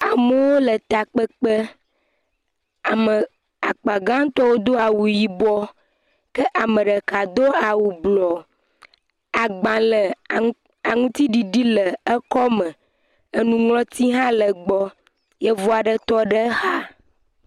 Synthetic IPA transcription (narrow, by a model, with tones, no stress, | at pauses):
a˨mə˦wo˦lə˨t̪a˨k͡pə˦k͡pə˦ | a˨mə˨ | a˨k͡pa˨ɡã˦t̪ɔ˦wo˦d̪o˦a˨wu˨ji˨bɔ˦ | kə˦ʔa˨mə̃˨ɖə˨ka˨d̪o˦a˨wu˨blɔ˨ | a˨ɡ͡bã˨lə˨ | a˨ŋũ˦t̪i˦ɖi˨ɖi˦lə˨ə˦kɔ˦mə̃˨ | ə˨nũ˨ŋlɔ̃˦t̪i˦ɦã˦lə˨ɡ͡bɔ˦ | jɛ˦vo˦a˨ɖə˦t̪ɔ˦ɖə˦ha˦